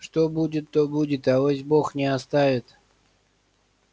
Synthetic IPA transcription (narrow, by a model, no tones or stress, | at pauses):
ʂt̪obudʲɪt̪ːobudʲɪt̪ɐosʲboxnʲɪɐst̪avʲɪt̪